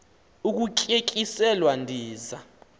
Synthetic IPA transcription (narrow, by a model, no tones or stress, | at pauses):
uk̬ukʼekʼisɛlwandʱiːza